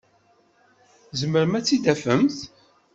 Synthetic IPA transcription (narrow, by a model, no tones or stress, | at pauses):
zəməɾmæt͡sːid̪æfəmθ